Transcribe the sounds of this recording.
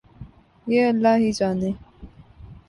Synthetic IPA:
jeːəlːaːɦiːd͡ʒaːneː

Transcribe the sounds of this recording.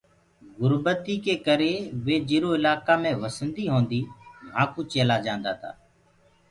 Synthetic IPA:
ɡʊɾbət̪iːkeːkəɾeːʋeːd͡ʒiːɾoːɪlaːkaːmẽːʋəsənd̪iːɦõːnd̪iːm̤aːkuːt͡ʃeːlaːd͡ʒãːnd̪a̰ːt̪ʰa̰ː

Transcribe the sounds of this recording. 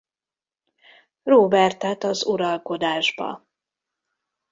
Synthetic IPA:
roːbɛrt̪ɛt̪ɒzuɾɒlko̞d̪aːʒbɒ̰

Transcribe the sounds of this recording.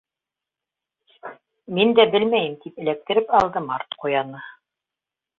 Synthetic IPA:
mind̪æbɘlmæjɘmt̪ipɘ̆læk̚t̪ɘ̆ɾɘpɑlˠd̪ɤmɑɾt̪qujɑnɤ

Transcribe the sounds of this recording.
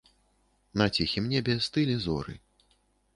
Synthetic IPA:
nɐt͡sʲixʲimnʲɛbʲɛst̪ɨlʲɛzɔ̰ɾɨ̰

